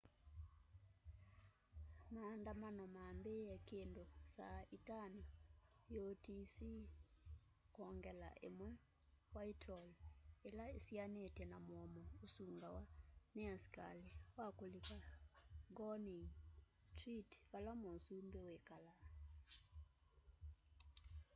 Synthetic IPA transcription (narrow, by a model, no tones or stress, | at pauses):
maːndamanɔmaːmbejɛkendosaitanajotisi | kɔŋɡɛla̰ʔḛmwɛ | waitʰɔlelaesianetɛnamwɔmɔosuŋɡawaneasi̥ka̰lewakolikaɡɔniŋ | stritβalamosumbewekala